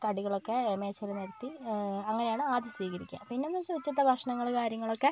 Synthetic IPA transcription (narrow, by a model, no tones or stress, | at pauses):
t̪ɐɽiɣɐɭokːeme̞ːt͡ɕːɐɾɐneɾɐt̪ːiɐŋːɐne̞jaːɳɨaːðisʋiːɣɐɾikʲːa̰mpinːemːɐt͡ɕoːðit͡ɕːɐt̪ːɐbʱɐkʂɐɳɐŋːɐɭkaːɾjɐŋːɐɭokːe̞